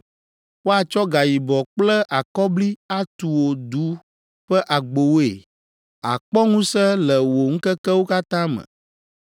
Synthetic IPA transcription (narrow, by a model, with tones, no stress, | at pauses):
wo˦a˨t͡ʃɔ˦ɡa˨ji˨bɔ˨k͡plɛ˦ʔa˨kɔ˦bli˦a˦t̪u˨wo˨d̪u˨˦ | ɸɛ˦ʔa˨ɡ͡bo˨wo˦ḛ˨ | a̰˨k͡pɔ˦ŋũ˦sɛ˦lɛ˨wo˨ŋ̩˦kɛ˦kɛ˦wo˦ka˦t̪ã˦mə̰̃˨